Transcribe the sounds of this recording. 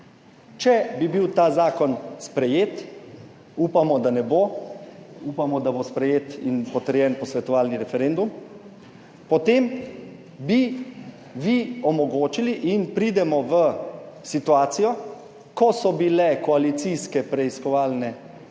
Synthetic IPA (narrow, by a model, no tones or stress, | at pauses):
t͡ʃɛbibiwt̪aːzaːkɔnspɾɛjeːt̪ | uːpamɔd̪anɛbo | upamɔd̪abospɾɛjeːt̪inpɔt̪əɾjɛnpɔsʋɛt̪ɔʋaːlniɾɛfɛɾend̪um | pɔt̪em | bi | ʋiɔmɔɡoːt͡ʃiliʔinpɾiːd̪ɛmɔʋəsit̪uaːt̪sijɔ | kɔsɔbilɛkɔalit̪siskɛpɾɛiskɔʋaːlnɛ